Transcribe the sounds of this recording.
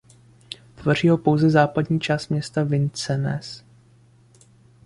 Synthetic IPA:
t̪vo̞r̝iːɦo̞po̞wzɛzaːpadɲiːt͡ʃaːst̪mɲɛst̪avɪnt͡sɛnɛ̰s

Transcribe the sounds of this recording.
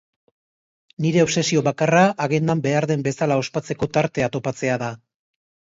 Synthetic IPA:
niɾe̞o̞βse̞sio̞βakaraʔːɣend̪ambe̞aɾðe̞mbe̞salao̞spat͡se̞ko̞t̪aɾt̪e̞at̪o̞pat͡se̞aða

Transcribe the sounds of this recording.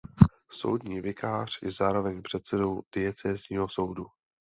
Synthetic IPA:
so̞̰wdɲiːvɪkʰaːr̝̥jɛzaːɾo̞vɛɲpr̝̥ɛt̪sɛdo̞wd̥ɪjɛt͡sɛːzɲiːɦoso̞wdu

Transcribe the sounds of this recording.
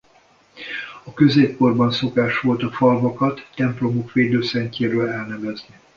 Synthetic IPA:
ɒkø̞zeːpko̞rbɒnso̞kaːʃʋo̞lt̪ɒfɒlvɒkɒt̪ːɛmplo̞mokʋeːd̪øːsɛɲceːɾøːlɛlnɛvɛzni

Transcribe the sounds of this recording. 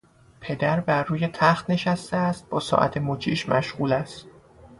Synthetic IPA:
pʰe̞d̪æɾbæɾːuːje̞t̪ʰæxt̪ne̞ʃæst̪eæst̪̚b̥ɒːsɒ̰ːʔæ̰t̪ʰemot͡ʃʰiːʃmæʃɣuːlæst̪̚

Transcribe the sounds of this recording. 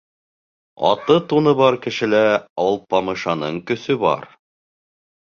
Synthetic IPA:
ɑ̰t̪ɤt̪unɤ̆βɑɾkɘ̆ʃɘ̆læɑwɤlˠpɑmɤ̆ʃɑnɤɴkɵ̆sɵbɑ̰ɾ

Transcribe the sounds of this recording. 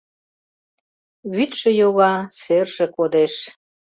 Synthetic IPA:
βyt̪ʃə̆joɣɑserʒĕkod̪eʃ

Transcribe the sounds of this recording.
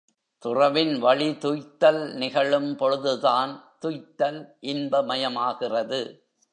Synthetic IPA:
t̪ʊrɐʋɪnʋɐɭit̪ʊjt̪ːɐlnɪɣɐɭɯmpɔɻɯðɯðaːnt̪ʊjt̪ːɐlʔɪnbɐmɐjɐmaːɣɪrɐðɯ

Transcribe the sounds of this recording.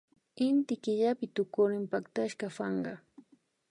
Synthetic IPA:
ɪnt̪ɪkɪʎapɪt̪ʊkʊɾɪmpakt̪aʃkɑfɑɴɢɑ

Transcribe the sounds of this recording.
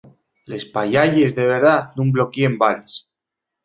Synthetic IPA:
le̞spaʎaʎezðeβ̞eɾðatnumblokiembaɾes

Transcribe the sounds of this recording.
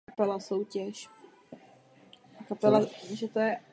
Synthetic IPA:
pɛlasowcɛʃ | ʔakapɛlaʒɛt̪ojɛ

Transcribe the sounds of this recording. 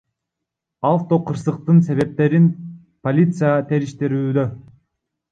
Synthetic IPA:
aft̪oqʰɯɾsɯq̚t̪ɯnse̞βe̞p̚t̪e̞ɾin | po̞lʲit̪sɨjat̪ʰe̞ɾiʃt̪eɾyːd̪ø

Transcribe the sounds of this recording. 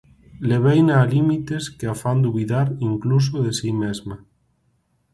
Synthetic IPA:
leβ̞ejnaːlimit̪eskeafand̪uβiðaɾiŋklus̬oðesimezma

